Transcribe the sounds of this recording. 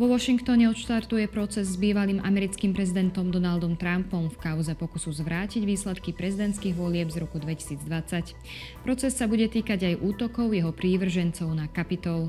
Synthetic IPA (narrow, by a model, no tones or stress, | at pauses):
ʋɔʋɔʃiŋkt̪ɔɲɛɔt̪ʃt̪aɾt̪ujɛpɾɔt͡sɛzːbiːʋaliːmʔa̰mɛɾit͡skiːmpɾɛzid̪ɛnt̪ɔmd̪ɔnald̪ɔmt̪ɾampɔmfkaʊzɛpɔkusuzʋɾaːciɟʋiːslɛt̪kipɾɛzid̪ɛnt̪t͡sskiːɣʋɔlɪɛbzɾɔkud̪ʋɛci̥siːd͡zd̪ʋat͡sac | pɾɔt͡sɛsːabuɟɛt̪iːkaɟajʔuːt̪ɔkɔʊjɛɦɔpɾiːʋr̩ʒɛnt͡sɔʊnakapit̪ɔl